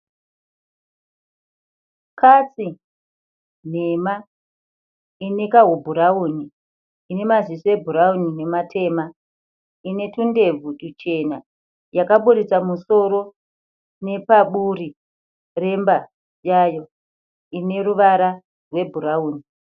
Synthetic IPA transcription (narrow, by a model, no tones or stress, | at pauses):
kʰat͡si | n̤e̞ma | inekaɦubʱuɾauːni | ine̞mazisie̞bʱuɾaunine̞matʰe̞ma | ine̞tunde̞vʱuɗut͡ʃe̞na | jakaɓuɾit͡samuso̞ɾo̞ | ne̞paɓuɾi | re̞mba | jajo̞ | ine̞ɾuʋaɾa | rwe̞bʱuɾauːni